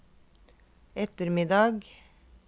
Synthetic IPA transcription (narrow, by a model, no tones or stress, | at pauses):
ɛt̪əɾmɪd̪ɑɡ